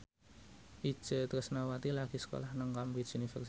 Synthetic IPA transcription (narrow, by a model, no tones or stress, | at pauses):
ʔi̥ʒ̥ə̤t̪ɾəsnawat̪ilaɡ̥i̤sə̥ko̰lahnəŋkamɾisunifɛ̰rs